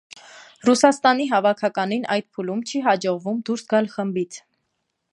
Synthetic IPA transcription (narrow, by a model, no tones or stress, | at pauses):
rusɑst̪ɑniɦɑvɑkʰɑkɑninʔɑjd̪̚pʰulumt͡ʃʰiɦɑd͡ʒɔʁvumd̪uɾsɡɑlχəmbit͡sʰ